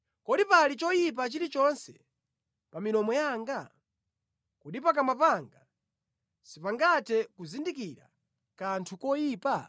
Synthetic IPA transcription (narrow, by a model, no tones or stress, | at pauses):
kɔɗipalit͡ʃɔjip̬at͡ʃiɾit͡ʃɔnsɛ̰ | paminɔmɔjaːŋɡa | kuɗipak̬amapaŋɡa | sipaŋɡatʰɛkuzindikiɾa̰ | kantʰukɔjiːpa